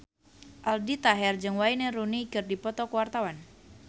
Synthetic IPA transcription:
ʔaldit̪aɦɛrd͡ʒɨŋwaineɾunikɨrdipɔt̪ɔkəwart̪awan

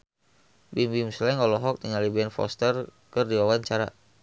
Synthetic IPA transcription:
bimbimslɛŋɔlɔɦɔk̚t̪iŋalibɛnfɔ̰st̪ərkɨrdiwawaɲt͡ʃaɾa̰

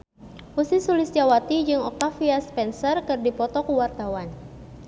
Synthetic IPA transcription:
ʔusisulɪsd͡ʒawat̪id͡ʒɨŋɔk̚t̪afiaspɛnsərkɨrdipɔt̪ɔkuwart̪awan

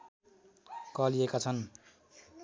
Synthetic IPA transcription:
kʌliekat͡sʰʌn

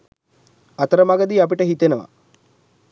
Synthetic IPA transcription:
at̪əɾəmaɡəd̪iːapiʈəɦit̪enəʋa̰

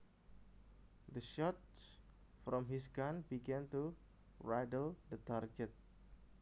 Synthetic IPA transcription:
d̪əʃɔt̚s | fɾɔmɦis̬ɡanbiɡɛ̃nt̪u | ɹajdəld̪ət̪arɡɛt̪̚

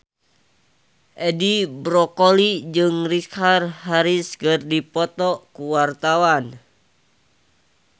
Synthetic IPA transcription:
ʔɛdibɾɔkolid͡ʒɨŋrikarhaɾiskɨrdipɔt̪ɔkuwart̪awan

